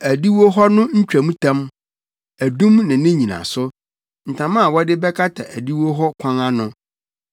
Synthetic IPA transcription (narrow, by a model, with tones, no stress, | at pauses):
æ˨di˦wo˦ɦɔ˦nʊ̃˦ɲ̩˦t͡ɕᶣɾæ˨mũ˦tʰã˦m | æ˨dũ˦mnã˨˦nɪ̃˦ɲĩ˨nã̰˨sʊ˦ | n̩˨tʰã˨mã˦a˨wɔ˦dɪ˦bɛ˦kʰa˦tʰa˨ʔæ˨di˦wo˦ɦɔ˦kʷʰã˦ŋã˦nʊ̃˨˦